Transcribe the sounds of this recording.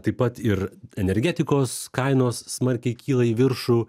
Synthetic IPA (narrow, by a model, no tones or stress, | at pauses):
t̪ɐɪpɐt̪ɪɾɛnʲɛɾʲɡʲæːt̪ʲɪkoːskɐɪnoːsːmɐɾʲkʲɛɪkʲiːlˠɐiːʋʲɪɾʃuː